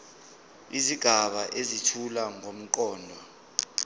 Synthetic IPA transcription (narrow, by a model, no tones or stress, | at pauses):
iziɡ̥ʱaɓaʔezitʰulaŋom̩k̬ʼɔːndʱwa